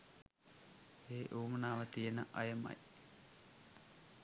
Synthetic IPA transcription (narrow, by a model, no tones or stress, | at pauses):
eːʔuːmənaːʋət̪ijenəʔɐjəma̰j